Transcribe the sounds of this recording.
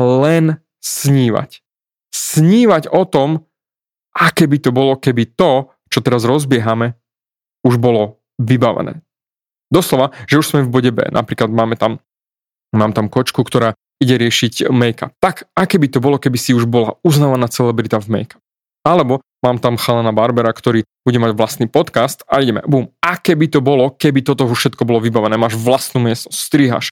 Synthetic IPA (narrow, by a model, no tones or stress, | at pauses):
lɛn | sɲiːʋa̰c | sɲiːʋaɟɔt̪ɔm | ʔakɛːbit̪ɔbɔlɔkɛbit̪ɔ | t͡ʃɔt̪ɛɾazɾɔzbɪɛɦamɛ | uʒbɔlɔ | ʋibaʋɛ̰nɛ̰ː | d̪ɔslɔʋaʒ̥ɛuʃsmɛvbɔɟɛbɛ̰ːna̰pɾiːklad̪maːmɛt̪am | maːmt̪amkɔt͡ʃkukt̪ɔɾaː | iɟɛɾɪɛʃicmɛjka̰p̚t̪aɡakɛːbit̪ɔbɔlɔkɛbisiuʒbɔlauznaːʋanaːt͡sɛlɛbɾit̪avmɛ̰jkḁp̚ | alɛbɔ | maːmt̪amxalɛnabaɾbɛɾakt̪ɔɾiːb̥uɟɛmaɟʋlast̪niːpɔt̪kast̪aiɟɛmɛ̰buːmakɛbit̪ɔbɔlɔkɛbit̪ɔt̪ɔɦuʃɛt̪kɔbɔlɔʋibaʋɛnɛːmaːʒʋlast̪nuːmɪɛst̪ɔsst̪ɾiːɦa̰ʃ